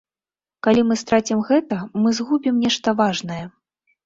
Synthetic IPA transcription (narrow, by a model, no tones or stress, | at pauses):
kalʲimɨst̪ɾat͡sʲimɣɛt̪ɐmɨzɣubʲimnʲɛʂt̪ɐvaʐnɐjɛ